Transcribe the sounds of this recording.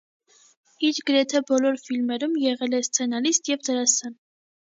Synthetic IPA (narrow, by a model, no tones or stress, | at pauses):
iɾɡəɾɛt̪ʰɛbɔlɔɾfilmɛɾumjɛʁɛlɛst͡sʰɛnɑlist̪jɛvd̪əɾɑsɑn